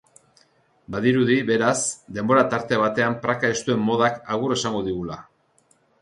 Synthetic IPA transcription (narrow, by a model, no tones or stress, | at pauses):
baðiɾuðiβe̞ɾasd̪e̞mbo̞ɾat̪aɾt̪e̞β̞at̪e̞ampɾakae̞st̪ue̞mːo̞ð̞akaɣure̞saŋɡo̞ðiɣula